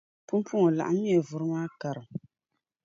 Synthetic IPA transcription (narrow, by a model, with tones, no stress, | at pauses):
pu˦m˦pʰu˦ŋɔ˨la̰˨ʔa˦mi˦ɛ˨vʊ˨ɾɨ˦maː˦ka˨ɾɨ˨m